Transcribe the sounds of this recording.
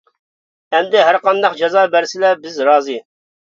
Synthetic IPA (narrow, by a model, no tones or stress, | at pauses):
ɛmd̪ɪɦæɾqɑnd̪ɑqd͡ʒɑzɑːbæɾsɪlɛbɪzɾɑːzɨ